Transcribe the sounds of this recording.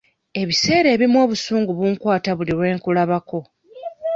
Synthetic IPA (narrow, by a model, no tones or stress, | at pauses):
e̞βise̞ːɾe̞ːβimwo̞ːβusuːŋɡuβuːŋkwaːtaβuliɾwe̞ːŋkulaβako̞